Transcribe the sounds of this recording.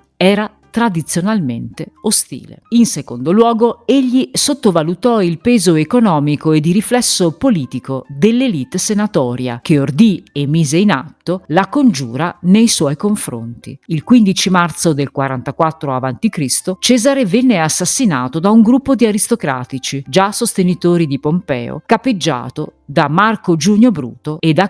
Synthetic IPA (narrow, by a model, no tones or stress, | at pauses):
ɛːɾa | t̪ɾad̪it̪sːjonalment̪eost̪ḭːlḛinsekond̪olwɔːɡoeʎːisot̪ːovalut̪ɔilpeːzoekonɔːmikoed̪iɾiflɛsːopoliːt̪ikod̪elːelit̪ːsenat̪ɔːɾja̰k̟eord̪iemːiːzeina̰t̪ːolakond͡ʒṵːɾanejswɔjkoɱfɾo̰nt̪ḭilkwind̪it͡ʃimart̪sod̪elkwaɾant̪akwat̪ːɾoavant̪ikɾist̪ot͡ʃɛːzaɾevɛnːeasːasːinaːt̪od̪auŋɡɾupːod̪iaɾist̪okɾa̰ːt̪it͡ʃid͡ʒasost̪enit̪oːɾid̪ipompɛ̰ːo̰kapːed͡ʒːa̰ːt̪od̪amarkod͡ʒuɲːobɾṵːt̪oed̪a